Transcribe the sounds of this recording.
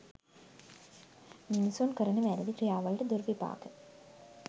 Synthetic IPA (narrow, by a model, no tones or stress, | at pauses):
minusonkəɾənəʋæɾid̪ikɾijaːʋɐlʈəd̪uɾʋipa̰ːkə